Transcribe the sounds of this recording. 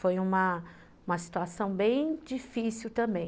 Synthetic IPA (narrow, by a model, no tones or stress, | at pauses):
fojũmɐ | ũmɐsi̥t̪uasɐ̃w̃bẽj̃d͡ʒifisiwt̪ɐ̃mbẽj̃